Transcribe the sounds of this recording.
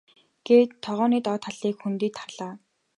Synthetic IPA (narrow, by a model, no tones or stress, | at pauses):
ɡ̥eːt̪ʰːɔʁɔːniːt̪ɔːt̪χaɮiːkxunt̪iːt̪ʰːarɮaː